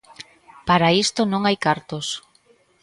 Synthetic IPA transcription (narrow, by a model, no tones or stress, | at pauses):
paɾaist̪onõŋajkaɾt̪os